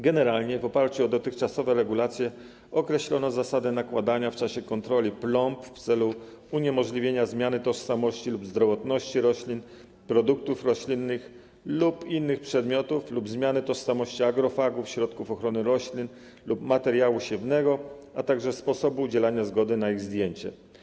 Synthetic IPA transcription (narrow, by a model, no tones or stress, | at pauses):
ɡɛnɛɾalɲɛvɔpaɾt͡ɕuɔd̪ɔt̪ɘxt͡ʂasɔvɛɾɛɡulat̪sʲjɛ | ɔkɾɛɕlɔnɔzasad̪ɛnakwad̪aɲaft͡ʂaɕɛkɔnt̪ɾɔlʲiplɔmpft̪sɛlu | uɲɛmɔʐlʲivʲjeɲazmʲjanɘt̪ɔʂsamɔɕt͡ɕilubzd̪ɾɔvɔt̪nɔɕt͡ɕiɾɔɕlʲin | pɾɔd̪uk̚t̪ufɾɔɕlʲinːɘx | lupinːɘxpʂɛd̪mʲjɔt̪uflubzmʲjanɘt̪ɔʂsamɔɕt͡ɕiaɡɾɔfaɡufɕɾɔt̪kufɔxɾɔnɘɾɔɕlʲin | lupmat̪ɛɾjawuɕɛvnɛɡɔat̪aɡʐɛspɔsɔbuːd͡ʑɛlaɲazɡɔd̪ɘnaiɣzd̪ʲjeɲt͡ɕɛ̰